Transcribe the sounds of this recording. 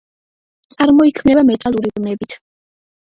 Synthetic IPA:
t̪sʼaɾmɔikʰmnɛbamɛt̪ʼalˠuɾibnɛbit̪ʰ

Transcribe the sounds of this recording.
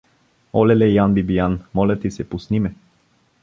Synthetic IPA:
ɔlɛlɛjanbibijanmɔlʲɛt̪isɛpusnimɛ

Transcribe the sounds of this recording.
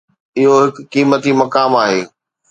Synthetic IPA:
ɪɦoɦɪkːiːmət̪imɐkaːmaːɦeː

